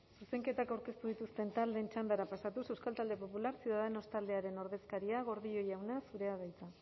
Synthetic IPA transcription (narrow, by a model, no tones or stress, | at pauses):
suse̞ŋke̞t̪akawɾke̞st̪uðit̪ust̪e̞nt̪ald̪e̞nt͡ʃand̪aɾapasat̪use̞wskalt̪ald̪e̞po̞pulaɾsjuðaðe̞no̞st̪ald̪e̞aɾe̞no̞ɾðe̞skaɾiaɣ̞o̞ɾðio̞jawnasuɾe̞aðajt͡sa